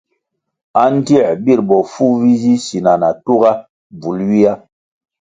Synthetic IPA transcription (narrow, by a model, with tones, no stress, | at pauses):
a˦n˦ti˦˨bi˦˨ɾbɔ˨fu˦vi˦zi˦si˨na˨na˨tu˦ɡa˦ | b͡vu˨˦lwi˦a˦